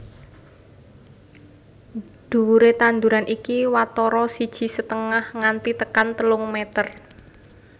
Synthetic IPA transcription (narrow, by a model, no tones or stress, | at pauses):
d̪̥ṳɾet̪and̪uɾanʔikiwat̪ɔɾɔsid̥ʒ̥i̤sət̪əŋahŋant̪it̪əkant̪əlʊŋmɛt̪ər